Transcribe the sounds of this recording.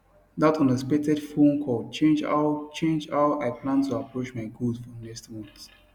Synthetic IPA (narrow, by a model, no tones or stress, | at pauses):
datʰɔ̃nəspek̚tɛdfũnkʰɔd̚t͡ʃẽnd͡ʒa̰t͡ʃẽnd͡ʒaʊaɪplãntʰuapɹot͡ʃmaɪɡudfɔnɛkstmɔ̃nt